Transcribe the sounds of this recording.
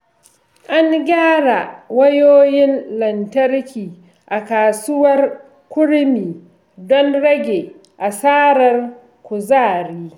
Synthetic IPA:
ʔa˦ŋɡʲaː˦ɽa˨wɐ˦joː˦jɪ˦nlɐ˨ntɐ˦rkʲiː˨ | ʔa˨kaː˨sʊ˦wɐ˦r | kʷʊ˦ɽmiː˨ | dɔ˦nɽɐ˦ɡʲe˨ | ʔa˨saː˦ɾɐ˨r | kʷʊ˨zaː˦˨ɾiː˦

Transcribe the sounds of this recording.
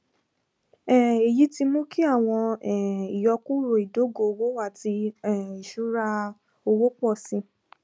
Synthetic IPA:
ɛ˦˨e˨ji˨˦ti˧mõ˦ki˦a˦˨w̃ɔ̃˧ɛ˨i˨jɔ˧ku˦ɾo˨i˨do˨˦ɡo˧wo˦wa˦˨ti˧ɛ˨i˨ʃu˦ɾa˧ | o˧wo˦k͡pɔ˦˨sĩ˧

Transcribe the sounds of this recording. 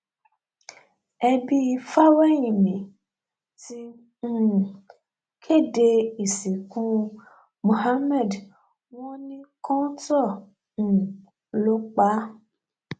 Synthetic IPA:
ɛ˧bi˧fa˦wɛ˦jĩ˨mĩ˨ | tĩ˦˨ | kʰe˦˨de˧i˨si˨kũ˦ | mõ˨ha˦mɛ˦˨d | w̃ɔ̃˦nĩ˦kɔ̃˦tɔ˦˨ | ñ̩˨ | lo˨˦k͡pa˦

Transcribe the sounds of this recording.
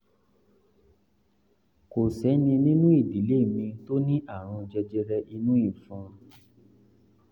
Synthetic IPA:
ko˨sɛ˨˦nĩ˧nĩ˦nũ˦i˦˨di˨˦le˦˨mĩ˧to˦nĩ˦ʔa˦˨ɾ̃ɔ̃˧d͡ʒɛ˧d͡ʒɛ˧ɾɛ˧ʔi˧nũ˦ĩ˦˨fɔ̃˧˦

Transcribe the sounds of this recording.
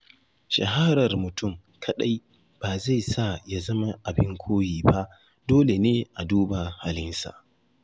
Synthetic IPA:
ʃɐ̰˨ɦa˦ɾɐ˨rmʊ˨tʊ˦˨m | kʰɐ˨ɗa˦j | b̥aː˨za˦˨jsa˦˨ja˦zɐ˦ma˦ʔa˨bɪ˦ŋkʷʰoː˦jiː˨ba˦ʔ | doː˦le˨neː˦ʔa˨duː˦ba˨ha˨lɪ˦nsa̰˨ʔ

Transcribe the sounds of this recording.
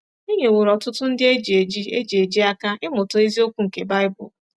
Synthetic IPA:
i˦ɲe˨we˨ɾɔ˨tʊ˦tʊ˦n̩˦dɪ˦e˦d͡ʒe˨d͡ʒi˦e˦d͡ʒi˨e˨d͡ʒi˦a˦ka˦ɪ˦mʊ˨tʊ˨i˦zi˦o˦kʷu˦ŋ̩˨ke˨ba˦ɪ˦bʊ̰˨l

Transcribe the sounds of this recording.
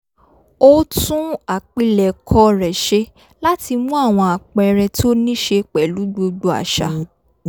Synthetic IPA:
o˦tũ˦a˨k͡pi˦lɛ˨kʰɔ˧˦ɾɛ˨ʃe˧ | la˦ti˧mũ˦a˦˨w̃ɔ̃˧a˨k͡pɛ˧˨ɾɛ˧tʰo˦nĩ˦ʃe˧k͡pɛ˨lu˨˦ɡ͡bo˧ɡ͡bu˧˦a̰˨ʃa̰˨˧

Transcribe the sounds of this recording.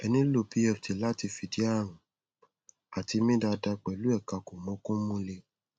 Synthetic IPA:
ɛ˧nĩ˦lo˦bi˦ɛ˦˨fte˨la˦ti˧fi˨di˨˦a˦˨ɾ̃ũ˨ | a˨ti˧mĩ˦da˧da˧k͡pɛ˨lu˨˦ɛ˦˨ka˧ko˨mɔ̃˨˦kɔ̃˦mũ˧le˧

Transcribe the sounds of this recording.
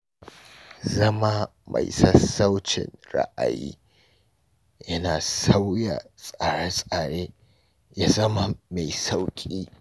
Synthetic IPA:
zɐ˦ma˦ma̰˨jsɐ˦sa˦wt͡ʃɪ̰˨nɽa̰˦ʔa̰˨jḭː˦ | jɐ˦naː˨sa˦wja̰˨sʼa˨ɽa˦sʼa˨ɽeː˦ | ja˦zɐ˦ma˦ma˨jsa˦wkʲʼiː˦

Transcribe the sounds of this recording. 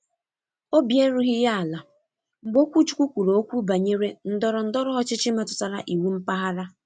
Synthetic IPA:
o˦bje˦ɾu˦ɦɪ˦ja˦a˨la˨ | m̩˨ɡ͡bo˦kʷu˦t͡ʃu̥˦kʷu˦kʷu˨ɾo˨o˦kʷu˦ba˨ɲe˦ɾe˦n̩˦dɔ˦ɾɔ˨n̩˦dɔ˦ɾʊ˦ɦɔ˦t͡ʃɪ˦t͡ʃɪ˦ma˨tʊ˨ta˨ɾa̰˨ʔi˨wu˦m̩˦pa˦ɦa˦ɾa˦

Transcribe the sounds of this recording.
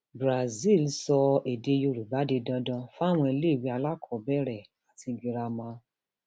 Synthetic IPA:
bɾa˨zi˦˨lsɔ˧e˨de˧jo˧ɾu˨ba˨˦de˧dã˧dã˧fw̃ɔ̃˧i˧le˦˨wi˨˦a˧la˦kʰɔ˨˦bɛ˦ɾɛ˦˨ | a˨ti˧ɡi˧ɾa˧mã˧˦

